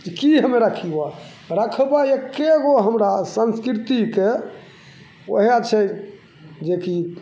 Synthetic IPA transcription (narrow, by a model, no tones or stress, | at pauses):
d͡ʒikiɦəmeɾakʰiba | ɾəkʰəbaekeɡoɦəmɾasənskɾit̪ike | o̰ɦijat͡ʃʰɛ | d͡ʒeki